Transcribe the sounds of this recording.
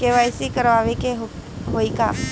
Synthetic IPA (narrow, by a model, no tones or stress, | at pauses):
keʋajsikəɾʋaːʋekeɦ | ɦoika̰